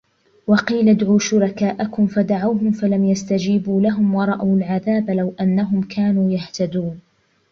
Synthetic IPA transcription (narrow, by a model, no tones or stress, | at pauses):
wɑqiːlad̪ʕuːʃʊɾɑkaːʔakʊmfad̪aʕawɦʊmfalamjast̪ad͡ʒiːbuːlaɦʊmwɑɾˤɑʔawalʕaðaːbalawʔanːaɦʊmkʰaːnuːjaht̪ad̪uːn